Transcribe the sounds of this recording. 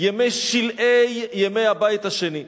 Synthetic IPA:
jemejʃilʔejːemejhabait̪haʃeni

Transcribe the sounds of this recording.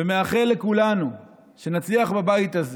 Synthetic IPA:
emeaχelːekulanu | ʃe̞nat͡sliaχbabait̪az

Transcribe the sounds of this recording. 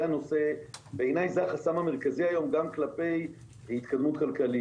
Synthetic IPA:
ano̞se̞beenajzaχasamame̞ʁ̞kaziajo̞mɡamklape̞j | hit̪kad̪mut̪̚kalkali

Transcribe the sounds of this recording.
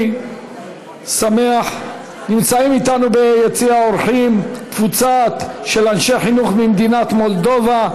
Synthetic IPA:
same̞aħ | nimt͡saimit̪anubejet͡siaoɾχimt̪vut͡sat̪ʃe̞lanʃeħinuχmimd̪inat̪mo̞ld̪o̞va

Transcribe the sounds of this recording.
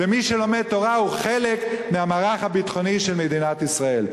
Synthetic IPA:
vemiʃelo̞met̪o̞ʁauχelekmeamaːʁaχhabit̪χo̞niʃelmed̪inat̪isʁae̞l

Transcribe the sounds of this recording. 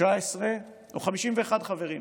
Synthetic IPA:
aesʁe | oχamiʃimveeχadχave̞ʁim

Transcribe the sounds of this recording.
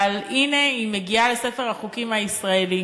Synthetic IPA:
aline̞imeɡiale̞se̞feʁhaχukimaisʁaeli

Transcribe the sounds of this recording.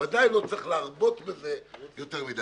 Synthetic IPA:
adaɪlot͡sɪχlɪaʁbotbɪzejotɛʁviːd

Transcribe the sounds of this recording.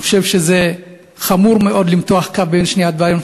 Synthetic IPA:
χʃevʃeze | χamuʁmeʔo̞d̪limt̪oaχkavbenʃniat̪veajon

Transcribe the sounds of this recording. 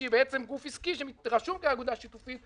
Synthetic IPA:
ibeɛt͡semɡufiskiʃemiʁaʃumkeaɡud̪aʃit̪ufi

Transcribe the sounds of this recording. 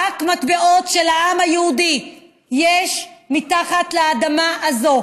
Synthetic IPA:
akmat̪beʔo̞tʃelhaʔamhajehudi | jeʃmit̪aχat̪lead̪amaʔazo̞

